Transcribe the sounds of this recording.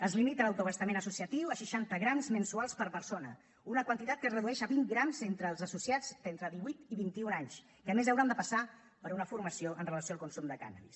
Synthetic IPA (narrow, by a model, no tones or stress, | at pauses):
əzlimit̪ələwt̪uβəst̪əmenəsusiət̪iwəʃiʃant̪əɣɾamzmənsualˠspəɾpəɾsonə | unəkwənt̪it̪at̪kəsrəðuɛʃəβinɡɾamzent̪ɾəːlˠzəsusiad͡zd̪ent̪ɾəðiβujt̪iβint̪iunaɲs | kəmezəwɾand̪əpəsa | pəɾunəfuɾməsioʔənrələsioalˠkunsumd̪əka̰na̰βḭs